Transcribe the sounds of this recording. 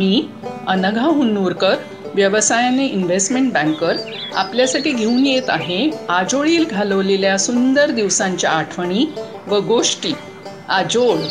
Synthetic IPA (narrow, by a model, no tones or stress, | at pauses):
miː | ənəɡʱaɦunuɾkəɾ | ʋjəʋəsajaneʔinʋesʈmeɳʈ̚bæ̃ŋkəɾ | a̰pljasaʈiːɡʱeuːnjet̪aɦead͡ʑoɭiːlɡʱaləʋleljasund̪əɾd̪iʋsãɲt͡ɕjaːʈʰʋəɳ̃iː | ʋəɡoʂʈiː | ad͡ʑoɭ